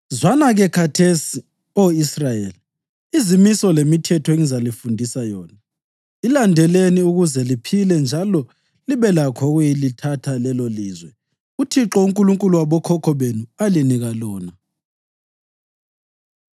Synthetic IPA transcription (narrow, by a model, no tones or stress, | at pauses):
zwanaɣɛkʰatʰesi | oisrajeli | izimisɔlemitʰɛtʰɔeŋizalifundʱisajɔːna | ilandʱɛleniuɣuzɛlipʰilɛnd͡ʒʱalɔ | liβɛlakʰɔɣujilitʰatʰalɛloliːzwɛ | utʰiǁɔuŋkʼuluŋkʼuluwaβɔkʰɔkʰɔβenualiniɣalɔːna